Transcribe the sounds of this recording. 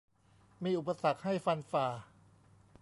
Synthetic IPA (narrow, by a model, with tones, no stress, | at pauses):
miː˧ʔu˨˩pa˧sa˨˩k̚ha˥˩jfa˧nfaː˧˩